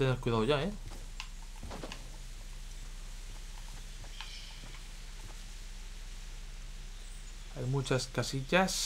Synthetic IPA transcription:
t̪eneɾkwujðaðoʝae | ajmut͡ʃaskasiʎas

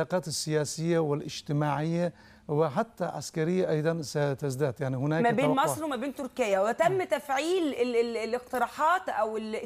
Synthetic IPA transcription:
aːqɑːt̪ɪsːɪjaːsɪjːawɪlʔɪd͡ʒt̪ɪmaːʕɪjːa | wɪħat̪ːaʕa̰skaɾɪjːaʔɑjd̪ˤɑnsat̪azd̪aːd̪jaʕnihʊnaːmæbeːnmɑsˤɾwɪmæbeːnt̪ʊɾkɪjːawɪt̪æmːt̪æfʕiːllɪq̚t̪ɪɾˤɑːħɑːt̪ʔæwɪl

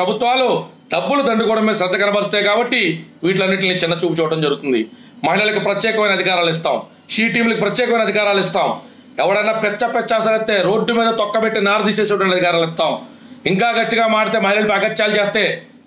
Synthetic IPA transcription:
pɾɐbʱut̪ʋaːlu | ɖɐbːulud̪ɐɳɖukɔːɽɐmːeːsɾɐd̪ːɐkɐnɐbɐɾist̪aːjkaːbɐʈːiʋiːʈ̬lɐnːiʈlniːt͡ʃɪnːɐt͡ʃuːput͡ʃɔːɐʈɐmd͡ʒɐɾɡut̪und̪i | mɐɦilɐlɐkupɾɐt̪jɛːkɐmɐjnɐd̪ʱikaːɾaːlis̬t̪aːm | ʃiːʈiːmlɐkipɾɐt̪jɛːkɐmɐjnɐd̪ʱikaːɾaːlist̪aːm | ɛʋɐɽɐjnapɛt͡ʃːɐpɛt͡ʃːas̬ɐɾɐt̪ːe̞ːɾo̞ːɖːumiːd̪ɐt̪ɔkːɐpeʈːinaːɾd̪iːseːs̬ɛːʈɐʋɐɳʈɐd̪ʱikaːɾaːlɛt̪ːaːm | iŋkaːɡɐt̪ːiɡaːmaːɽit̪eːmɐɦilɐlɐpɐɡɐt͡ʃːaːlut͡ʃe̞ːst̪e̞ː

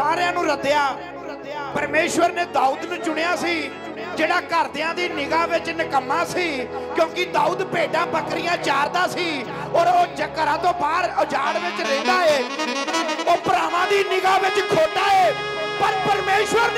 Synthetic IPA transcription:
aːɾjãːnũːɾəd̪jaː | pəɾmeːʃʋəɾneːd̪aːuːd̪nũːt͡ʃʊɽejaːsiː | d͡ʒeːɽaːkəɾd̪eãːd̪iːnɪɡãːʋɪt͡ʃnɪkəmːãːsiːkjõːkɪd̪aːuːd̪peːɖãːbəkɾɪjãːt͡ʃaːɾd̪aːsiː | oːɾoːd͡ʒəkːəɾãːt̪õːbaːɾəd͡ʒaːɽʋɪt͡ʃɾẽːnd̪aːeː | oːpəɾaːʋãːd̪iːnɪɡaːʋɪt͡ʃkʰoːd̪aːeː | pəɾpəɾmeːʃʋəɾ

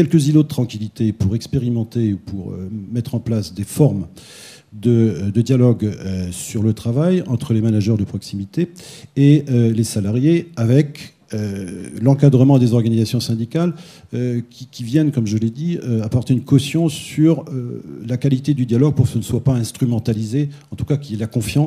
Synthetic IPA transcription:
kʲɛlkəzilod̪ət̪χɑ̃kʲilit̪epuʁɛkspeʁimɑ̃t̪eupuʁø̰mɛt̪χɑ̃plasd̪efɔʁm | d̪əd̪əd̪jalɔɡøsyʁlət̪χavajɑ̃t̪χəlemanaʒœʁd̪əpχɔksimit̪eeølesalaʁjeavɛk | ølɑ̃kad̪ʁəmɑ̃d̪ezɔʁɡanizasjɔ̃sɛ̃d̪ikal | kʲikʲivjɛnkɔmʒəled̪iøapɔʁt̪eynkɔsjɔ̃syʁølakalit̪ed̪yd̪jalɔɡ̚puʁkə̥sənəswapaɛ̃st̪χymɑ̃t̪alizeɑ̃t̪u̥kakʲiɛlakɔ̃fjɑ̃

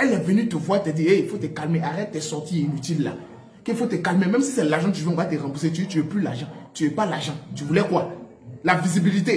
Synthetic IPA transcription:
ɛlɛvənyt̪əvwat̪ɛd̪ieifot̪ekalmeʔaʁɛt̪̚t̪ɛsɔʁt̪iinyt̪ilːa̰ | keifot̪əkalmemɛ̃msisɛlaʁʒɑ̃t̪yveɔ̃vat̪eʁãbus̬et̪yt̪yɛplyla̰ʒãt̪yɛpalaʒɑ̃t̪yvulɛkwa | lavizibilit̪e

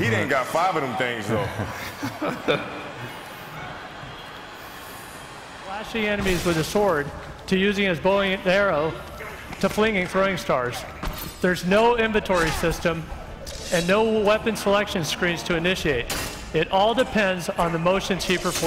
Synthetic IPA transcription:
hiɾɪdⁿn̩ɡ̥ɑtfaɪvʌɾɨ̃mθɪ̃ŋzðoʊ | læʃiɛnɨmizwɨðɨsɔɹd̚ | tʰɨjʉzɪ̃ŋɨzbolˠɨ̃nɛɹoʊ | ɾɨflɪ̃ŋɪ̃ŋθɹoʊɪ̃ŋstɑɹz̥ | ðə˞znoʊɪ̃ɱvɨ̃ntʰɔɹisɪstə̃m | ɨ̃nːoʊwɛpɨ̃nsəlɛkʃɨ̃nskɹĩnz̥tʰɨɨnɪʃieɪɾ | ɪɾʔɔlˠdɨpʰɛ̃ndzn̩ðəmoʊʃɨ̃nz̥hipə˞f

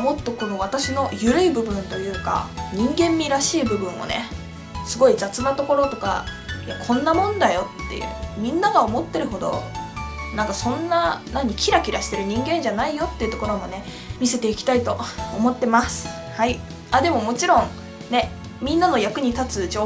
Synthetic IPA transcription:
mo̞t̪ːo̞ko̞no̞βat̪aɕino̞jɯ̟ɾɯ̟ibɯ̟bɯ̟̃nt̪o̞jɯ̟ːka̰ɲ̟ĩŋɡẽ̞mːʲiɾaɕiːbɯ̟bɯ̟̃ɰ̃o̞̰ne̞̰ | sɨɡo̞id͡zat͡sɨnat̪o̞ko̞ɾo̞t̪o̞ka̰ | jakʰõ̞nːamõ̞nd̪ajo̞t̪ːe̞̰jɯ̰mʲĩnːaɡao̞mo̞t̪ːe̞ɾɯ̟ɦo̞d̪o̞̰ | nãŋkasõ̞nːanãɲ̟ːikʲiɾakʲiɾaɕi̥t̪e̞ɾɯ̟ɲ̟ĩŋɡẽ̞ɲ̟d͡ʑanaijo̞t̪ːe̞iɯ̟t̪okoɾo̞mo̞ne̞ | mʲise̞t̪e̞ikʲi̥t̪ait̪o̞ːmo̞t̪ːe̞masɨ̥ | hai | ad̪e̞mo̞mo̞t͡ɕiɾõ̞ŋ | ne̞ | mʲĩnːano̞jakɯ̟ɲ̟it̪at͡sɨd͡ʑo

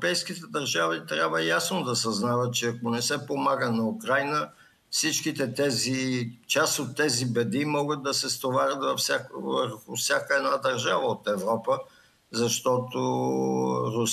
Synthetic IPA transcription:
pɛjskit̪ɛd̪ɐɾʒavit̪ɾʲabvəjasnod̪ɐsɐznavət̪̚t͡ʃɛɐkonɛsɛpomaɡənɐukɾajnə | fsit͡ʃkit̪ɛt̪ɛzit͡ʃast̪ot̪ːɛzibɛd̪imɔɡət̪̚d̪ɐsɛst̪ovaɾʲət̪vɐfsakvəɾxʊfsʲakəɛd̪nad̪ɐɾʒavəot̪ɛvɾɔpə | zɐʃt̪ɔt̪o | ɾʊ

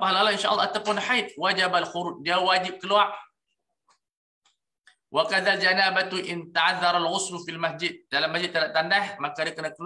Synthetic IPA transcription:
paɦalalainʃaʔɑlːɑat̪apʊnħajt̪̚wad͡ʒabalxuɾut͡ʃ̚diawad͡ʒɪb̚kəluaʔ | wʔakaðald͡ʒanabat̪uʔɪnt̪aʕaðːaɾˤalɣʊslufilmasd͡ʒɪd̪̚dalamːasd͡ʒɪd̪ːədaʔt̪andahmakadiakənakəl

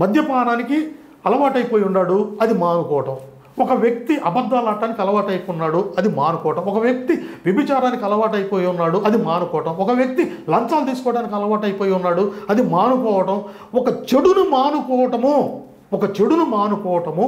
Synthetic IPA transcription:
mɐd̪ʱjɐpaːnaːniki | ɐlɐʋaːʈɐjpoːjunːaːɽuɐd̪imaːnupɔːʋɐʈɐm | ɔkɐʋjɐk̚t̪iʔɐbɐd̪ːaːlaːʈːaːnikiɐlɐʋaːʈɐjkunːaːɽuɐd̪imaːnukɔːʋɐʈɐmɔkɐʋjɐk̚t̪iʋibit͡ʃaːɾaːnikʲiɐlɐʋaːʈɐjipoːjiunːaːɽuʔɐd̪imaːnukɔːʋɐʈɐmɔkɐʋjɐk̚t̪ilɐnsaːlut̪iːsu̥kɔːʋɐɽaːnik̬iɐlɐʋaːʈɐjipoːjiunːaːɽuɐd̪imaːnupɔːʋɐʈɐm | ɔkɐt͡ʃeɽunumaːnupɔːʋɐʈɐmu | ɔkɐt͡ʃe̞ɽunumaːnupɔːʋɐʈɐmu

